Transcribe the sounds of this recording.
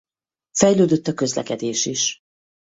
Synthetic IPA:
fɛjløːd̪øt̪ːɒkø̞zlɛ̰kɛd̪eːʃiʃ

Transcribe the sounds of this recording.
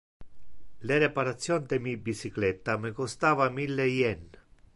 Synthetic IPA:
leɾɛpaɾat̪sːjɔnd̪emibisiklɛt̪ːamɪkɔst̪aːvamilːejɛn

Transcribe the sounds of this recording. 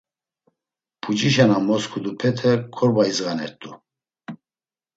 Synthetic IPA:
pʰut͡ʃʼiʃanamɔskʰud̪upʰɛt̪ʰɛkʰɔɾbaizɣanɛ̰ɾt̪ʼu

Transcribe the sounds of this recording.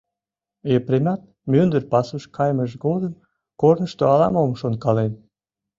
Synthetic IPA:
jepɾemʲɑt̪̚ | mønd̪ərpɑsuʃkɑjməʃɡod̪əm | kornəʃt̪oɑlɑ̰momʃonkɑlen

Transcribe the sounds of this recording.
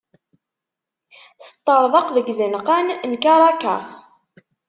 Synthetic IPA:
θə̥t̪ˤːəɾˤðˤɑqðəɡzənqænnkaɾˤɑkɑ̰s

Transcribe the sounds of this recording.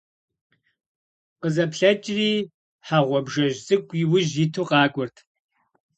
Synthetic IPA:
qəzɐpɬɐt͡ʃʼriː | ħaʁʷɔbʒɐʒzʼɨkʷʼiwʊʒitʰuːqʼɑːkʷʼʊrtʰ

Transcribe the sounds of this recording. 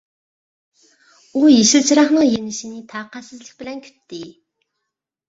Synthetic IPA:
uːjeʃɪ̆ɮt͡ɕɾaːχnə̆ŋjenɘ̆ʃiniːt̪ʰaqaːsə̆t͡sɮɘ̆xp̆ɮæːŋkʲʰɵ̥t̪ːeː

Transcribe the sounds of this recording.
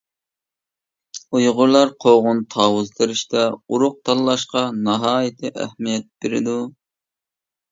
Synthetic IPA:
ujʁʊɾlˠɑɾqʰoʁʊnt̪ʰɑːwʊzt̪ʰɨɾɪʃt̪ɛuɾʊq̚t̪ʰɑlˠːɑʃqɑnɑɦɑːjɪt̪ʰɪʔæ̰hmijɛt̪̚b̥eɾɪd̪u

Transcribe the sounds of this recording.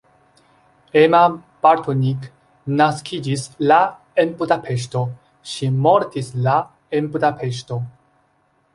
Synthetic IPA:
emab̥aɾtʰonik | naskʰid͡ʒisla | enbudapʰe̞ʃ̬to̞ | ʃimo̞ɾtisla | enbudapʰe̞ʃ̬to̞

